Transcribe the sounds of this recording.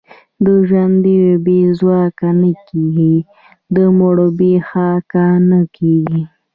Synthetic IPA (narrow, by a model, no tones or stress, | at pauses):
d̪əʒwand̪iwebezwɑkanəkeɡi | d̪əmoɽobexakanəkeɡi